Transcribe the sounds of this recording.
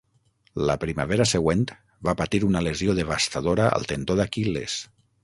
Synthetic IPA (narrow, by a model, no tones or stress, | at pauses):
ləpɾimaβeɾaseɣwent̪ | bapat̪iɾunalezioðeβast̪aðoɾaʔə̰lˠt̪ent̪oðakilḛs